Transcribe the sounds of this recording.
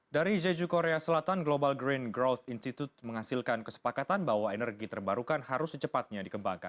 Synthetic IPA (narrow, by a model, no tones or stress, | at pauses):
daɾid͡ʒed͡ʒukoɾeasəlat̪anɡlobalɡɾinɡɾat̪inst̪it̪ut̪̚məŋɦasilkankəsə̥pakat̪anbawaenərɡit̪ərbaɾukanhaɾʊsət͡ʃəpat̪̚ɲadikəmbaŋka̰n